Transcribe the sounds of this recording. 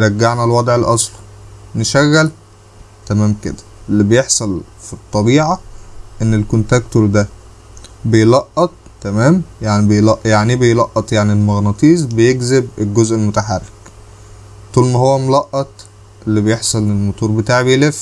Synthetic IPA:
ɾˤɑɡːaʕnælwɑd̪ˤʕelʔɑsˤlneʃæɣːæl | t̪æmæːmkḛd̪æ̥ʔelːibejeħsˤɑl | fit̪ˤːɑbiːʕɑʔenːelkont̪ækt̪oɾd̪æ | bejlɑʔːɑt̪̚ˤt̪ːæmæːmjaʕnibejlɑʔjaʕnibejlɑʔːɑt̪ˤjaʕnilmɑɣnɑt̪ˤiːzˤbejeɡzebelɡozʔelmot̪aħarːek | t̪ˤuːlmæhowːæmolɑʔːɑt̪ˤ | ʔelːibejeħsˤɑlːelmot̪ˤuːɾˤbet̪aːʕbejlef

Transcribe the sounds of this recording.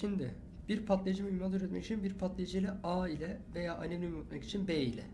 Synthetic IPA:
ʃind̪ɪ | b̥iɾpʰat̪lʲˠed͡ʒimiumaːt̪yɾɛt̪mɛ̰ci̥t͡ʃʰinbiɾpʰat̪lʲˠejd͡ʒijlʲɛaːilʲɛve̞jaːʔanenʲiymot̪mɛci̥t͡ʃʰinbeːilʲɛ̰

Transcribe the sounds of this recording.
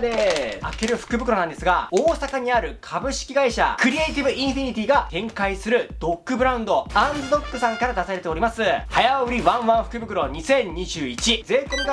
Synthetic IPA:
d̪e̞a̰ke̞ɾɯ̟ɸɯ̟̥kɯbɯ̟kɯɾo̞nãnd̪e̞sɨɡaoːsakaɲ̟iaɾɯ̟kʰabɯ̟ɕi̥kʲiɡaiɕa̰kɯ̟ɾʲieit̪ʲibɯ̟ʔĩɰ̃ɸiɲ̟ʲit̪ʲiːɡat̪ẽ̞ŋkaisɨɾɯ̟d̪o̞kːɯ̟bɯ̟ɾãɯ̃nd̪o̞ãnd͡zɨd̪o̞kːɯ̟sãŋkaɾad̪asaɾe̞t̪e̞o̞ɾʲimasɨhajaɯ̟ɾʲiβãɰ̃βãɰ̃ɸɯ̟kɯbɯ̟kɯɾo̞ɲ̟isẽ̞ɲɲːiʑɨːit͡ɕize̞ːkom

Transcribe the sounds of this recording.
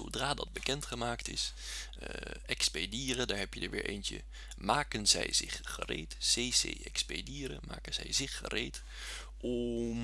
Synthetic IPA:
odraːdɑd̚bəkɛntχəmaːktɪs | ʔɛkspediːrədaːɹɦɛpjədə̰ɹʋɪːɹʔejnt͡ʃə | maːkənzɛjzɪχːərejtsejsejʔɛkspediːɾə̰ma̰ːkənzɛjzɪχːərejt | ɔm

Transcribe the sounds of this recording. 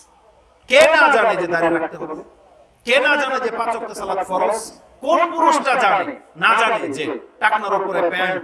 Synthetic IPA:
kenad͡ʒaned͡ʒed̪aɾiɾak̚ʰt̪eɦɔt̪ | kenad͡ʒaned͡ʒepãt͡ʃɔk̚t̪esalat̪fʰɔɾɔs | konpuɾusʈad͡ʒanenad͡ʒaned͡ʒeʈaknaɾupɔɾepɛaj

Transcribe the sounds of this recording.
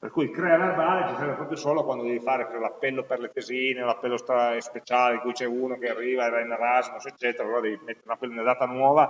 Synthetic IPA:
pḛrkujkɾɛːaverbaːlet͡ʃisɛrvepɾɔːpɾjosoːlokwand̪od̪ɛvifaːɾekɔolapːɛlːoperlet̪eziːneolapːɛlːost̪ɾaspet͡ʃaːleiŋkujt͡ʃɛunokearːiːvaeɾainarazmuset͡ʃːɛːt̪eɾaloɾad̪ɛvimet̪ːeɾeunapːɛlːunad̪aːt̪anwɔːva

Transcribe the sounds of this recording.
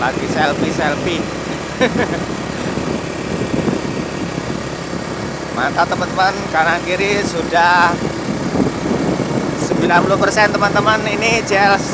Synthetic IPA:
laɡ̥isɛlpisɛlpi | mat̪at̪əmant̪əmankanaŋkiɾisudah | səmbilanpuluhpərsɛnt̪əmant̪əmanini̥d͡ʒɛls

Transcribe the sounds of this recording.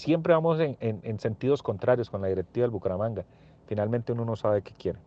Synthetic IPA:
sje̞mpɾe̞βamoseenense̞nt̪iðo̞sko̞nt̪ɾaɾjosko̞nlaðiɾek̚t̪iβaðelbukaɾamãŋɡa | finalmẽnt̪e̞unono̞saβeke̞kje̞ɾe

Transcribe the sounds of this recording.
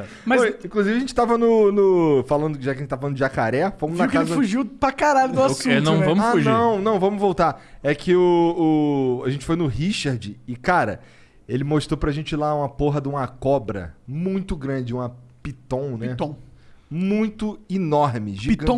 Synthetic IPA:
mɐojĩkluzivɪɐʒẽnt͡ʃɪ̥t̪avɐnʊnʊfalɐ̃nd̪ʊkɪʒakɐʒẽt͡ʃ̚t̪avfalɐ̃d̪ʊd͡ʒɪakaɾɛfõmʊznakazɐɐfuʒiwpakaɾaʎʊd̪ʊasũnɐ̃w̃vɐ̃mʊauʒɐ̃w̃nɐ̃w̃vɐ̃mʊvowt̪aɛkʰɪʊː | aʒẽnt͡ʃɪ̥fojnʊɦiʃaɾd͡ʒɪːkaɾɐ̰ | elɪmoʃt̪ɾopɾɐʒẽnt͡ʃɪlaũmɐpoɦɐd̪ũmɐkɔbɾɐ̰mũj̃t̪ʊɡɾɐ̃d͡ʒɪũmɐpit̪õw̃nɛõ | mũj̃t̪ʊinɔɾmɪʒiɡ̪̃õ

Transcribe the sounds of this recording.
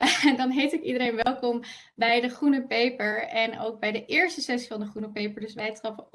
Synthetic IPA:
ndɑnɦejtɪkidəɾejnʋɛlˠkɔm | bɛjdəχrunəpejpəɹɛno̰wɡ̚bɛjdəʔɪːɹstəsɛsivɑndəχrunəpejpəɹdɵʏsʋɛjtrɑfə

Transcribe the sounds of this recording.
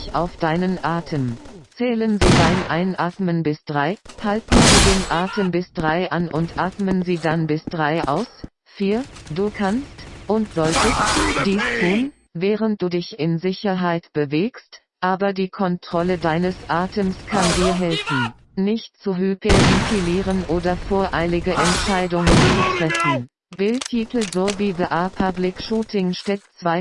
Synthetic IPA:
çʔaʊfd̥aɪnənʔaːtʰəmt͡sɛːlənziːdaɪnʔaɪnʔaːtmənbɪsd̥ʁaɪhaltn̩ziːdeːnʔaːtʰəmbɪsd̥ʁaɪʔanʔʊntʔaːtmənziːdanbɪsd̥ʁaɪʔa̰ʊs | fiːɐd̥uːkʰanstʔʊntz̥ɔltəstd̥iːstʰuːn | vɛːʁənt̚d̥uːdɪçɪnzɪçɐɦaɪtb̥əveːkst | ʔaːbɐdiːkʰɔntʁ̥ɔlədaɪnəsʔaːtʰəmskʰandiːɐɦɛlfn̩ | nɪçtt͡suɦypeikʰiliːʁənʔoːdɐfoːɐʔaɪlɪɡəʔɛntʃaɪdʊŋənt͡subətʁ̥ɛfn̩ | b̥ɪltʰiːtl̩zoviːvəʔapʰablɪkʃuːtɪŋʃtɛtt͡sv̥aɪ

